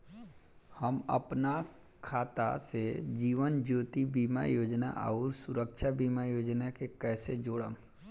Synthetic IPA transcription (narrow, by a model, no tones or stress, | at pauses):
həmɐ̰pna | kʰaːt̪a̰sed͡ʒiːʋənd͡ʒoːt̪ibiːma̰joːd͡ʒna̰ʔə̰ʊɾsʊɾəkʃʰabiːmajoːd͡ʒnakekɛːsed͡ʒoːɽə